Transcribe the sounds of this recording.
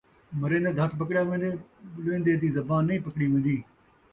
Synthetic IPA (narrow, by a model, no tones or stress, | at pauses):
mɐɾẽːnd̪ed̪ʱət̪ʰpəkɽjaːʋẽːnd̪eːlẽːnd̪eːd̪iːzɐbaːnːəĩːpɐkɽiːʋẽːn̆d̪iː